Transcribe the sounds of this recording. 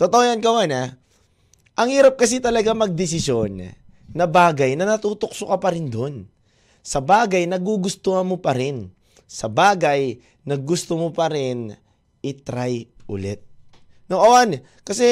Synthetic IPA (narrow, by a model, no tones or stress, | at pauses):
t̪ɐt̪oojankɐwana | ʔɐŋhiːɾɐp̚kɐs̬ɪt̪ɐlɐɡamɐɡ̚d̪ɪs̬ɪsjo̞nː | ɐbaːɡɐjnɐnɐt̪uːt̪ok̚sokɐpɐɾɪnd̪o̞n | sɐbaːɡɐjnɐɡuɡʊst̪ohɐmopɐɾɪn | sɐbaːɡɐj | nɐɡ̚ːʊst̪omopɐɾɪn | ʔɪt̪ɾajʔʊ̰lɛt̪̚ | noʔɐwan | kɐsɛ